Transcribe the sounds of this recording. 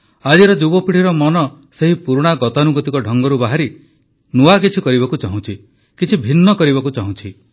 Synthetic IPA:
ad͡ʒiɾɔd͡ʒubɔpiɽ̤ʰiɾɔmɔnɔ | seɦipuɾuɽ̃aɡɔt̪anuɡɔt̪ikɔɖʱɔŋɡɔɾubaɦaɾi | nuak̬it͡ʃʰikɔɾiβakut͡ʃaɦũt͡ʃʰi | kit͡ʃʰibʱinːɔkɔɾiβakut͡ʃaɦũt͡ʃʰi

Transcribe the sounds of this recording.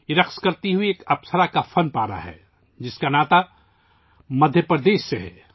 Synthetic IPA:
iɾɐqskɐɾt̪iɦʊieːkɐpsəɾakafʰɐnpaːɾa̰ɦɛ̰ː | d͡ʒɪskanaːt̪a | mɐd̪ʱjəpɾəd̪eːʃːeɦɛ̰ː

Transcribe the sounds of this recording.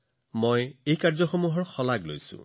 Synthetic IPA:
mojejkaɹzɔxomuɦɔɹxɔlaɡlo̰jsʊ̰̃

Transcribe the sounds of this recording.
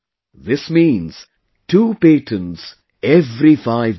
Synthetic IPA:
ðɪsmĩːnz̥ | tʰuːpeːtʰə̃nz̥ | ɛvɾifaɪv

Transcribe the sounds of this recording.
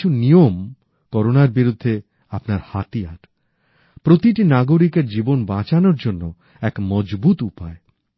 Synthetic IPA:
unijom | kɔɾonaɾbiɾud̪ʱːe | apnaɾhat̪iaɾ | pɾot̪iʈinaɡoɾikeɾd͡ʑibonbat͡ɕanoɾd͡ʑonːo | ɛkmɔd͡ʑbut̪upae

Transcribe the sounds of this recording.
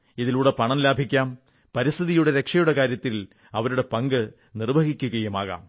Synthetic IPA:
iðiluːɽepɐɳɐmlaːbʱikʲːaːm | pɐɾist̪ʰiðijuɽe̞ɾe̞kʂɐjuɽe̞kaːɾjɐt̪ːil | ɐʋɐɾuɽe̞pɐŋɡɨ | nirbʱɐɣikʲːuɣɐjumaːɣa̰ːm

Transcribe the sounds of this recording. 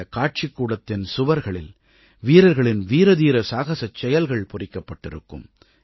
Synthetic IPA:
ɐkaːʈ̚t͡ʃɪkːuːɽɐt̪ːɪnsʊʋɐɾɣɐɭɪl | ʋiːɾɐɾɣɐɭɪnʋiːɾɐðiːɾɐsaːɣɐsɐt͡ʃːɛjɐlɣɐɭpʊrɪkːɐpːɐʈːɪɾɯ̰kːɯ̰m

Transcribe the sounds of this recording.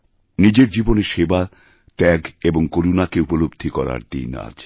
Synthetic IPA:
nid͡ʑeɾd͡ʑiboneʃeba | t̪ɛɡeboŋkoɾunakeupolobd̪ʱikɔɾa̰ɾd̪ḭna̰d͡ʑ

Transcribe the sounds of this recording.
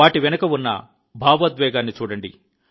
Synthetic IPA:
aːʈiʋɛnɐkɐunːɐ̰ | bʱaːʋɐd̪ʋɛːɡaːnːit͡ʃuːɽɐɳɖḭ

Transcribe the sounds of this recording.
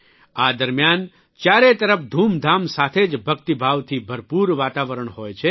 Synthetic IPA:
ad̪əɾmjan | t͡ʃjaːɾet̪əɾəp̚ʰd̪ʱuːmd̪ʱamsaːt̪ʰed͡ʒbʱəkt̪ibʱaʋt̪ʰibʱəɾpuːɾʋaːt̪aʋəɾəɳ̃ɦoːjt͡ʃʰe

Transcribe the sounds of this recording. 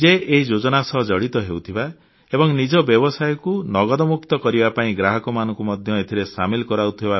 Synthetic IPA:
d͡ʒeeid͡ʒod͡ʒɔnasɔɦɔd͡ʒɔɽit̪ɔɦewt̪ʰiba | ebɔŋnid͡ʒɔbjɔbɔsajɔkunɔɡɔd̪ɔmukt̪ɔkɔɾibapaĩɡɾaɦɔkɔmanɔ̃ŋkumɔd̪ʱjɔet̪ʰiɾesamilɔkɔɾawt̪ʰiba

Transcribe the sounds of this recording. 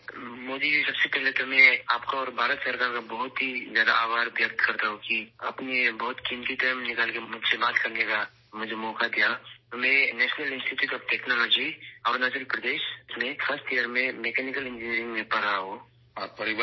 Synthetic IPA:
moːd̪ibʱisɐbsepɛɦlet̪omɛ̃aːpkaɔːɾbʱaːɾət̪sɐɾkaːɾkabɔɦʊt̪ɦizjaːd̪a̰aːbaːɾʋjɐk̚t̪kɐɾt̪aɦõkiɐ̰pnebɔɦʊt̪kɪmt̪it̪əjmnɪkalkemʊd͡ʒʱsebaːt̪kɐɾneka | mʊd͡ʒʱemɔːkad̪ijat̪omeːɾenɛːʃnəlɪ̃nsʈiʈjuːʈɔːfʈɛːknɔlɔːd͡ʒiɔːɾnad͡ʒəɾpɾɐd̪eːʃsmẽfʰɐsʈijəɾmẽmeːkɛːnɪkəlɪ̃nd͡ʒɪniəɾɪ̃ŋɡmẽpɐɾaɦo | ɔːɾpɐɾɪwə

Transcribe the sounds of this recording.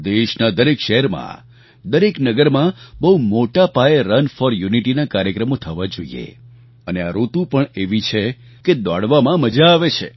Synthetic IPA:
d̪eʃnad̪əɾekʃəɦɛɾmã̰ | d̪əɾeknəɡəɾmãbəɦumoʈapaeɾənfɔɾjuniʈinakaɾjəkɾəmot̪ʰəʋad͡ʒoḭḛ | əneaɾot̪ũpəɳeʋit͡ʃʰe | ked̪a̰ɽʋamãməd͡ʒaːʋet͡ʃʰḛ

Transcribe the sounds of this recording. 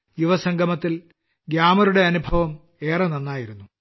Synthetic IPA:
juʋɐsɐŋɡʱɐmɐt̪ːil | ɡjaːmɐɾuɽe̞ɐnubʱɐʋɐm | e̞ːrɐnɐnːaːjiɾunːu

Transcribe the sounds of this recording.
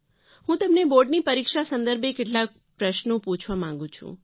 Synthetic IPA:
hũt̪əmneboɾɖnipəɾikʃasə̃nd̪əɾbʱekeʈlak̚ | pɾəʃnũput͡ʃʰʋamãŋ̆ɡũt͡ʃʰṵ̃

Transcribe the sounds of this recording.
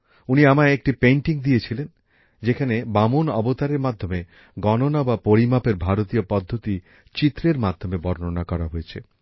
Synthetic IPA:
uniamaek̚ʈipejɳʈiŋd̪iet͡ɕʰilen | d͡ʑekʰanebamonɔbot̪aɾeɾmad̪ʱːome | ɡɔnonabapoɾimapeɾbʱaɾot̪iopɔd̪ʱːot̪i | t͡ɕit̪ːɾeɾmad̪ʱomebɔɾnonakɔɾaɦojet͡ɕʰḛ

